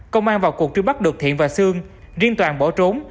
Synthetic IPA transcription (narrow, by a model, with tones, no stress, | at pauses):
kə˧wŋ͡mʔaː˧nvaː˨˩wku˨˩k̚t͡ɕɨ˧ɓa˦˥k̚ɗɨ˨˩k̚t̪ʰḭ˧˨ənvaː˨˩sɨ˧əŋ | zi˧ənt̪waː˨˩nɓɔ˧˩t͡ɕo˨˦n